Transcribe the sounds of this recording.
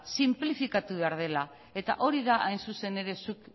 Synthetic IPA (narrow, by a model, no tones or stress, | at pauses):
simplifikat̪uβ̞e̞aɾð̞e̞la | e̞t̪a̰ʔo̞ɾiðaʔajnsuse̞ne̞ɾe̞suk